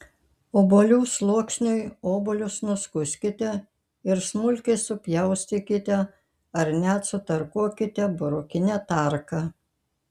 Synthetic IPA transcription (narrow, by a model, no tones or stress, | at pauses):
oːbolʲuːslˠuɔksʲnʲʊjoːbolʲʊsnʊskʊsʲkʲɪt̪ʲɛ | ɪɾsmʊlʲkʲɛɪsʊpʲjɛʊsʲt̪ʲɪkʲɪt̪ʲɛ | ɐɾnʲæt̪sʊt̪ɐɾkuɔkʲɪt̪ʲɛbʊɾʊkʲɪnʲæt̪ɑˑɾkɐ